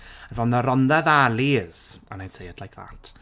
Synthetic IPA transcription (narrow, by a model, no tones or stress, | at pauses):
əvɔnðəɾɔnðɛðaliːz̥ənajtʰejəd̥lajkʰða̰tʰ